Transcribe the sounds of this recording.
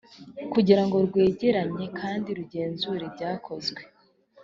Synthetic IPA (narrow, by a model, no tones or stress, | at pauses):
kuɟiɾaŋɡo̞ɾɡwe̞ːɟeɾaɲe̞kʰaːndiɾuɟe̞ːnzuɾe̞bɟaːkʰo̞zɡwe̞